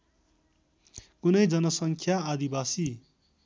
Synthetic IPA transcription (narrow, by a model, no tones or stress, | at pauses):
kunʌjd͡zʌnʌsʌŋkʰjaːd̪ibasi